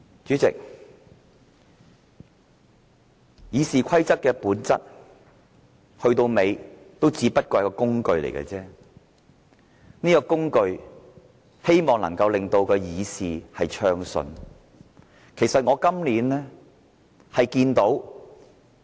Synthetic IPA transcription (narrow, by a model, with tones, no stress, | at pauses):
t͡ʃyː˨˥t͡sɪ̰˨k̚ | jiː˨˧siː˨kʷʰɐ˥jt͡sɐ˥t̚kɛː˧puː˨˥nt͡sɐ̰˥t̚ | hɵ˧ɥt̪o˧wme˨˧jt̪o˥wt͡siː˨˧pɐ˥t̚kɔː˧jɐ˥kːɔː˧˥kʊ˥ŋkɵ˧ɥlḛ˨˩jkɐ̰ː˧t͡sɛː˥ | niː˥kɔ˧kʊ˥ŋkɵ˧ɥ | he˥jmɔː˨ŋlɐ̰˨˩ŋkɐ˧wlɪ˨ŋt̪o˧wkɛː˧jiː˨˧siː˨hɐ˨jt͡ʃʰœː˧ŋsɵ̰˧n | kʰe˨˩jsɐ˨t̚ŋɔː˨˧kɐ˥mliː˨˥nlɛː˥ | hɐ˨jkiː˧nt̪o˨˥w